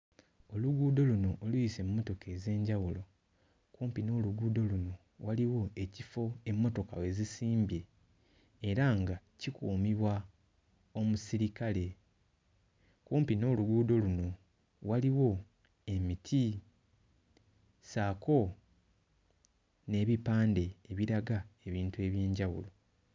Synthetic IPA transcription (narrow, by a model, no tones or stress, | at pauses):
o̞luɡuːdo̞luno̞ʔolujise̞mumːo̞to̞ke̞ze̞ːɲɟawulo̞ | kuːmpino̞ːluɡuːdo̞luno̞ | waliwo̞e̞cifo̞e̞mːo̞to̞kawe̞zisiːmbje̞ː | ɾaŋɡa | cikuːmiβwa | o̞musiɾikale̞ | kuːmpino̞ːluɡuːdo̞luno̞ | waliwo̞ | e̞mitʰi | saːko̞ | ne̞ːβipaːnde̞ːβiɾaɡae̞βiːntue̞ːβjeːɲɟawṵlo̞